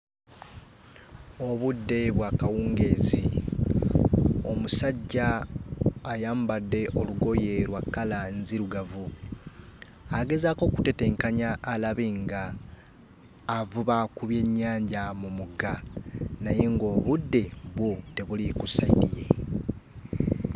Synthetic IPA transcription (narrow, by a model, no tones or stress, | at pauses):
o̞βudːe̞βwaːkawuːŋɡe̞zi | o̞musaɟːaː | jaːmbadːe̞ʔo̞luɡo̞je̞ɾwakːalanziɾuɡavu | aɡe̞zaːko̞ku̥te̞te̞ːŋkaɲaːlaβiŋɡa | vuβakuβje̞ɲːaːɲɟamumuɡanaje̞ŋɡo̞ːβudːe̞βwo̞te̞βulikusaiɾije̞